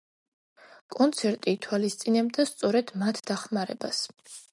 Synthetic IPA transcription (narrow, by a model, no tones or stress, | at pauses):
kʼɔnt̪sʰɛɾt̪ʼiːt̪ʰwalist̪sʼinɛb̚d̪ast̪sʼɔɾɛd̪mat̪ʰd̪aχmaɾɛbas